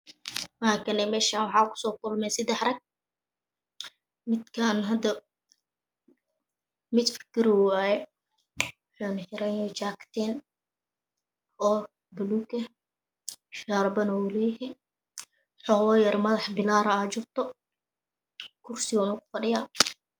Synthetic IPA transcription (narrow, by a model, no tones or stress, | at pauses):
makʰɐnɛmɛːʃaːnwɑħɑːkʰʊ̥sɔːkʊlmɛːsɐd̪ɛħrɐɡ̚ | mɪd̪kʰanɦɐd̪ɐ | mɪd̪fɪ̥kʰɪɾɔajɛ | ħaːnɐħɪɾɛnɔt͡ʃaːkt̪ʰɛːn | ʔɔː | bɐluːkɐ | ʃaːɾbɐnɐwʊlɛjɦɛ | ħɔːwɔjɐrmɐðɑħbɪlaːɾɐaːt͡ʃɪrt̪ʰɔ | kʰʊrsɪwɔnɐkʊ̥fɐɖɪjaː